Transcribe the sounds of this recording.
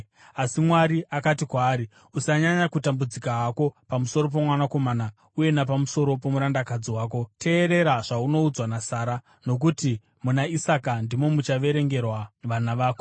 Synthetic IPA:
asimwaɾiʔakatikwaːɾi | usaɲaɲakutambud͡zikaɦako̞pamuso̞ɾo̞p̬omwanako̞maːna | uje̞nap̬amuso̞ɾo̞p̬o̞muɾandakad͡ziwaːko̞tʰe̞ːɾe̞ɾaʐauno̞ud͡zwanasaːɾa | no̞k̬uti | munaisakandimo̞mut͡ʃaʋe̞ɾe̞ŋɡe̞rwaʋanaʋaːko

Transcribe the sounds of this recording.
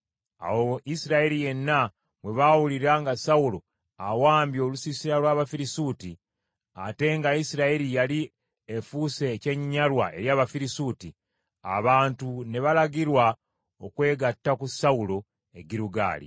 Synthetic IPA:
a̰woisiɾaeɾije̞nːa | βwe̞βawuliɾaŋɡasaulo̞ | awaːmbjo̞ːlusisiɾalwaːβafiɾisuti | ate̞ŋɡaisiɾaeɾijali | efuːse̞ce̞ɲiɲaɾwae̞ɾjaːβafiɾisuti | a̰βaːntune̞βalaɡiɾwa | okwe̞ːɡatːakusaulo̞ | e̞ɟiɾuɡa̰ːlḭ

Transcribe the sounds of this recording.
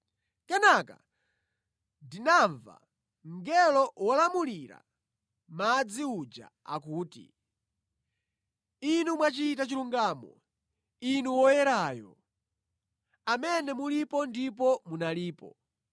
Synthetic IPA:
kɛnaka̰ | dinaɱva̰ | ŋɡɛlɔwɔlamuliɾa̰ | mad͡ziud͡ʒa̰ | a̰kuːtḭ | inumwat͡ʃiːtat͡ʃiluŋɡaːmɔ̰ | inuwɔjɛɾaːjɔ | amɛnɛmulipɔndip̬ɔmunaliːpɔ

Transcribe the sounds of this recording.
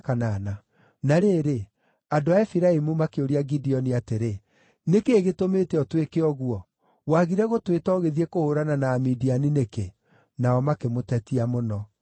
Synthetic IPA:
kanana | naɾeːɾe | andoaɛfiɾaimumakeoɾiaɡidiɔniateɾe | nekeːɣetometɛɔtwekeɔɣuɔ | waɣiɾɛɣotwetɔɣeðiɛkohoɾananaːmidianineke | naɔmakemotɛtiamonɔ

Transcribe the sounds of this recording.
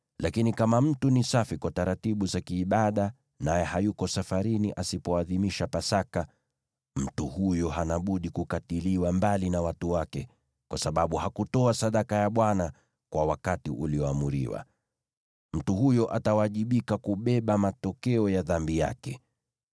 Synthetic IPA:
lʔakinikamam̩tunisafikwataɾatiɓuzakiːɓaɗa | najɛhajukɔsafaɾiniʔasipɔaðimiʃapasaka | m̩tuhujɔɦanaɓuɗikukatiliwambalinawatuwakɛ | kwʔasaɓaɓuhakutɔasaɗakajaɓwana | kwawakatiʔuliɔamuɾḭwa̰ | m̩tuhujɔʔatawaʄiɓikakuɓɛɓamatɔkɛɔjaðambija̰kɛ

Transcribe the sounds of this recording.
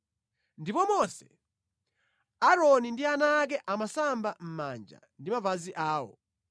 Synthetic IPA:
ndipɔmɔsɛ | aɾɔnindianak̬ɛʔamasambam̩ma̰nd͡ʒa̰ | ndimavaziʔaːwɔ̰

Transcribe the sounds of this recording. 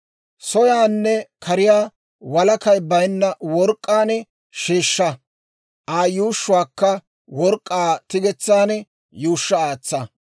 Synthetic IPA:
sɔjaːnːɛkʰɐɾɪjaː | wɐlɐkɐjbɐjnːɐwɔɾkʼːaːnɛ | ʃeːʃːɐ | ʔaːjuːʃːʊwaːkːɐ | wɔɾkʼːaːt̪ɪɡɛt͡sːaːnɛ | juːʃːɐaːt͡sːɐ

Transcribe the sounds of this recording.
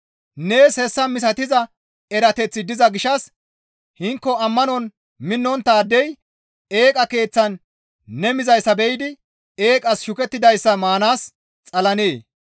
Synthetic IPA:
neːshɛsːɐmɪs̬ɐt̪ɪzɐ | ɛɾɐt̪ɛt͡sːɪd̪ɪzɐɡɪʃɐs | hɪŋkːɔɐmːɐnɔn | mɪnːɔnt̪aːd̪ɛj | eːkʼɐke̞ːt͡sːɐnː | ɛmɪzɐjsːɐbɛjɪd̪ɪ | e̞ːkʼɐsʃʊkɛt̪ːɪd̪ɐjsːɐmaːnaːs | t͡sʼɐlɐneː

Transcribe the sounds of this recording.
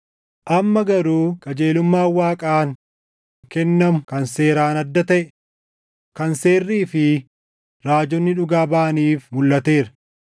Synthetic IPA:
ʔɐmːɐɡɐɾuːkʼɐd͡ʒe̞ːlʊmːaːwːaːkʼaːŋ | kɛnːɐmʊkɐnse̞ːɾaːnɐd̪ːɐt̪ɐʔɛ | kɐnse̞ːrːiːfɪ | ɾaːd͡ʒɔnːɪᶑʊɡaːbaːniːfmʊlːɐt̪e̞ːɾɐ

